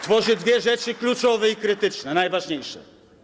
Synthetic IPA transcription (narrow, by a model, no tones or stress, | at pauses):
t̪vɔʐid̪vʲjɛʒɛt͡ʃikʎʲut͡ʃɔvɛikɾit̪it͡ʃnɛnajvaʒɲejʃɛ̰